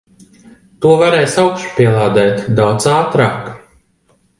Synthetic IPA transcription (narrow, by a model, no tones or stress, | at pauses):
t̪uɔvaɾɛːjsawkʃpʲiɛlˠaːd̪ɛːt̪d̪awt̪saːt̪ɾa̰ːk